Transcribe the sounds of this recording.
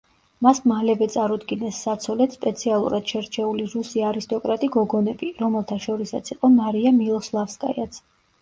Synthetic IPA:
masmalɛvɛt̪sʼaɾud̪ɡinɛsːat̪sʰɔlɛt̪spʼɛt̪sʰialˠṵɾad̪̥ʃɛɾt͡ʃʰɛuliɾusiaɾist̪ʼɔkʼɾat̪ʼiɡɔɡɔnɛbiɾɔmɛlˠt̪ʰaʃɔɾisat̪sʰiqʼɔmaɾiamilˠɔslˠafskʼa̰jat̪sʰ

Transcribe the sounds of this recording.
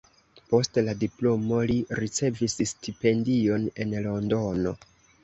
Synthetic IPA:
po̞stladiplo̞mo̞liɾit͡se̞visstʰipe̞ndio̞ne̞nlo̞ndo̞no̞

